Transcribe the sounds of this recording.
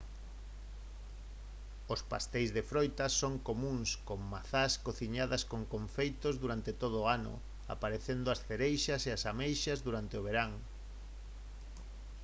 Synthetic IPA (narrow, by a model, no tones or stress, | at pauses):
ospa̰st̪ejzðefɾojt̪ɐsoŋkomũŋskoŋmaθaskoθiɲaðaskoŋkoɱfejt̪ozðuɾant̪et̪oð̞oʊːanʊ̰ | a̰paɾeθend̪ʊasθeɾejʃɐseasamejʃazðuɾant̪ɪoβ̞eɾaŋ